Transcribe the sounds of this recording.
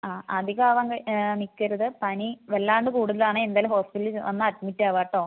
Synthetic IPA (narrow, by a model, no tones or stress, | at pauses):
aːʔɐd̪iɣaːʋɐŋɡɐnikːɐɾuðɨpɐniʋelːaːɳɖɨkuːɽuðɐlaːɳɨend̪aːlumɦo̞ːspillʋɐnːɨɐtmitːaːʋaːʈːoː